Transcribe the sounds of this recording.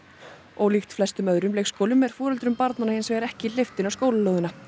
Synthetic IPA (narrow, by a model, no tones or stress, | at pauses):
ɔwlixt̪flɛst̪ʏmœðɾʏmlejkskoːwlʏmɛɾ̥fɔːɾœlt̪ɾʏmpaɾt̪nanahɪnsvɛɣaɾɛhcɪleft̪ɪnawskoːwlɪlœwðʏna